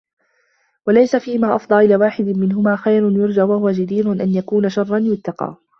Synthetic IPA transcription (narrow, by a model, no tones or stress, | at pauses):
walajsafiːhmaːʔɑfd̪ˤɑlʔɪlaːwaːħɪd̪ɪmɪnɦʊmaːxajɾʊnjʊɾˤd͡ʒaʔwahʊwad͡ʒad̪iːɾʊnʔanjakuːnaʃɑrˤːɑnjʊt̪ːɑqɑ̰ː